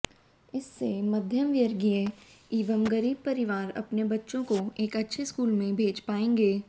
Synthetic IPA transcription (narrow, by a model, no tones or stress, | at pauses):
ɪsːemɐd̪ʱjəmʋjəɾɡieiːʋəmɡɐɾiːb̚pɐɾɪʋaːɾɐ̰pnebɐtːʃõkoeːkɐtːʃʰeskuːlmẽbʱeːd͡ʒpaːẽːŋɡeː